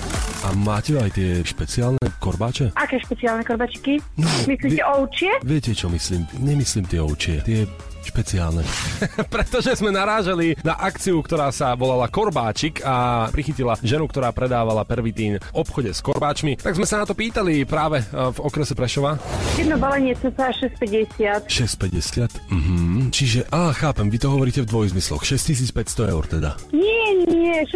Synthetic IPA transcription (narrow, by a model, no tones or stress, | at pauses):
amaːcɛajt̪ɪɛʃpɛt͡siaːlnɛkɔɾbaːt͡ʃɛʔakɛːʃpɛt͡siaːlnɛkɔɾbaːt͡ʃi̥kinɔmisliːcɛɔʊt͡ʃɪɛʋɪɛcɛt͡ʃɔmisliːmɲɛmisliːmt̪ɪɛɔʊt͡ʃɪɛt̪ɪɛ | ʃpɛt͡sia̰ːlnɛpɾɛt̪ɔʒɛzmɛnaɾaːʒalinaʔakt͡siukt̪ɔɾaːsaʋɔlalakɔɾbaːt͡ʃikʰapɾixicilaʒɛnukt̪ɔɾaːpɾɛd̪aːʋalapɛɾʋit̪iːnɔpxɔɟɛskɔɾbaːt͡ʃmit̪aɡzmɛsanat̪ɔpiːt̪alipɾaːʋɛvɔkɾɛsɛpɾɛʃɔʋajɛd̪nɔbalɛɲɪɛt͡sɛsɛaʃɛs̚pɛɟɛsɪat̪ʃɛst̚pɛɟɛsɪat̪m̩ɦm̩t͡ʃiʒɛʔaːxaːpɛmʋit̪ɔɦɔʋɔɾiːcɛvd̪ʋɔjzmislɔ̰xʃɛscis̬iːt͡spɛcst̪ɔɛ̰ʊɾt̪ɛd̪a̰nɪɛnɪɛʃ